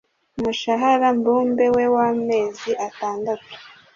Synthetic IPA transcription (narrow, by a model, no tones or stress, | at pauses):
umuʃaɦaɾambuːmbe̞we̞waːme̞ːziʔataːndatu̥